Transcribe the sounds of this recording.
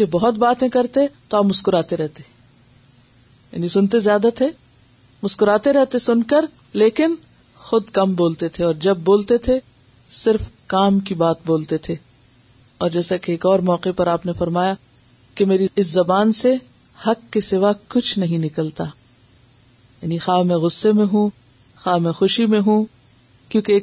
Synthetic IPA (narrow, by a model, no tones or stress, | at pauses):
ebɔɦʊt̪baːt̪ẽkɐɾt̪et̪oaːpmʊskʊɾaːt̪eɾɛɦt̪e | ja̰ːnisʊnt̪ezjaːd̪at̪ʰe | mʊskʊɾaːt̪eɾɛɦt̪esʊnkɐɾ | leːkɪn | xʊd̪kɐmboːlt̪et̪ʰeɔːɾd͡ʒɐb̚ːoːlt̪et̪ʰe | sɪɾfkaːmk̬ibaːt̪̚boːlt̪et̪ʰeː | ɔːɾd͡ʒɛːsakeːkɔːɾmɔːqepɐɾaːpnefɐɾmaːja | kemeːɾiɪszɐbaːnse | hɐkːesɪʋakʊt͡ʃʰnɐɦĩnɪkəlt̪aː | jaːnixaːmɛ̃ɣʊsːemẽɦũ | xaːmɛ̃xʊʃimẽɦũ | kjõːkeː